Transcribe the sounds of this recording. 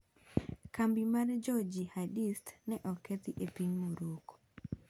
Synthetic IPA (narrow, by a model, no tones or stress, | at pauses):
kambimaɾd͡ʒɔd͡ʒihadistnɛʔɔkːet̪iʔepiɲmoɾoko̥